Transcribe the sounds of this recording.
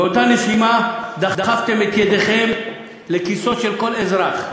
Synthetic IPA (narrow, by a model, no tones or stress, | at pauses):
eotaneʃimad̪ad̪aχaft̪e̞met̪jed̪eχe̞m | lekiso̞tʃelko̞lezʁaχ